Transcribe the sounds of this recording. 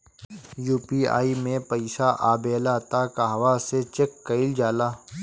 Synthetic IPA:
juːpiːa̰ːimẽpɐɪʃaʔaːbeːlaːt̪aːkaɦɐʋaset͡ʃekːɐɪld͡ʒaːlaː

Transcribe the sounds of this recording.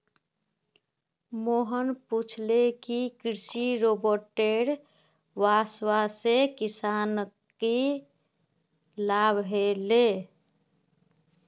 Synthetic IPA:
moɦənput͡ʃʰlekikɾisiɾobəɾʈeɽ | ʋaswasekisan | ke | labʱɦele

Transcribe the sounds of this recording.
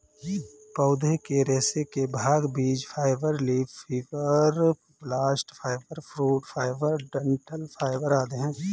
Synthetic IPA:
pəːʊd̪ʱekeɾɛːsekebʱaːɡbiːd͡ʒpʰaːɪʋəɾliːpfiːʋəɾ | blaːsʈpʰaːɪʋəɾpʰɾuːɖfʰaːɪʋəɾɖəɳʈəlpʰaːɪʋəɾaːd̪eɦɛ̃ː

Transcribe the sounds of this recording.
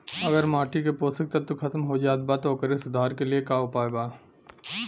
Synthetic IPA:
ɐɡəɾmaːʈikepoːst̪ɪk̚t̪ɐɾt̪okʰɐt̪mɦod͡ʒaːt̪̚bat̪oːkəɾesʊd̪ʱaːɾkeliekaːʊpaːebaː

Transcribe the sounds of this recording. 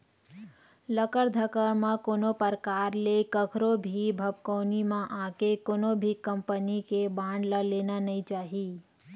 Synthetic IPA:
ləkəɾd̪ʱəkəɾmãkoːnopəɾəkaːɾlekəkʰɾobʱibʱəb̚koːnimãʔaːkekoːnobʱikə̃mpənikebãːɳɖləleːnanəĩt͡ʃaːɦiː

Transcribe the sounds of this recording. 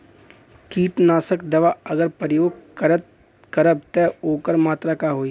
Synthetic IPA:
kiːʈnaːsəkd̪ɐʋaɐɡəɾpəɾɪjoːɡ̚ɾət̪̚ | kɐɾəb̚t̪ɛoːkəɾmaːt̪ɾakaɦoːiː

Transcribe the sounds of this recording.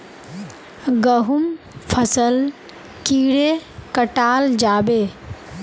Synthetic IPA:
ɡəɦum | pʰəsəl | kiːɽekəʈaːld͡ʒaːbeː

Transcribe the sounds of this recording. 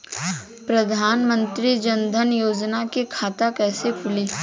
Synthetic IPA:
pɾɐd̪ʱaːnmə̃nt̪ɾid͡ʒə̃nd̪ʱənjoːd͡ʒnakekʰaːt̪akɛːsekʰʊliː

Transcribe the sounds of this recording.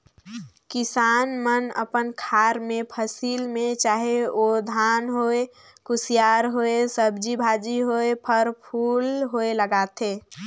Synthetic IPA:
kɪsaːnmənə̰pənkʰaɾmẽpʰəsilmẽt͡ʃaːɦeod̪ʱaːnɦoe | kʊsijaɾɦoesəbd͡ʒibʱad͡ʒiɦoepʰəɾpʰuːlɦoeləɡat̪ʰe

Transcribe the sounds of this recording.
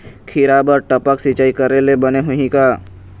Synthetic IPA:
kʰɪɾabəɾʈəpəksit͡ʃaːikəɾelebɐneɦʊɦĩkaː

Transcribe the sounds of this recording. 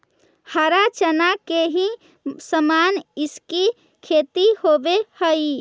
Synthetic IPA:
həɾat͡ʃənakeɦĩ | səmaniski | kʰet̪ihobehəi

